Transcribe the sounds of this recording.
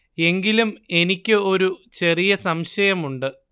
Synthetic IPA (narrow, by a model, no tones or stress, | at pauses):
e̞ŋɡilume̞nikʲːɨo̞ɾut͡ɕe̞rijɐsɐmɕɐjɐmuɳɖɨ